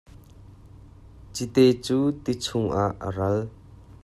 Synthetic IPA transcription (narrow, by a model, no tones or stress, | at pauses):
t͡sit̪et͡suːt̪it͡sʰʊŋʔaʔːə̰ɾɐl